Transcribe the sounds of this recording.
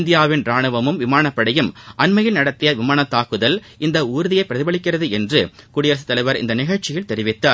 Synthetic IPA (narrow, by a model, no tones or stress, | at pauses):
nd̪ɪjaːʋɪnɾaːɳɯʋɐmɯmʋɪmaːɳɐpːɐɽɐjɯmʔɐnmɐjɪlnɐɽɐt̪ːɪjɐʋɪmaːɳɐt̪ːaːkɯðɐl | ɪnd̪ɐuːɾɯðɪjɐɪpːɾɐðɪbɐɭɪkːɪrɐðɯɛndrɯkʊɽɪjɐɾsɯt̪ːɐlɐɪʋɐɾɪ̰nd̪ɐnɪɣɐɭt͡ʃɪjɪlt̪ɛɾɪʋɪt̪ːaːɾ